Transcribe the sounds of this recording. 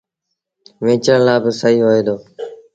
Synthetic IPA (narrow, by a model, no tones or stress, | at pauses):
ʋẽːt͡ʃəɳlaːbəsəiːɦoːeːd̪oː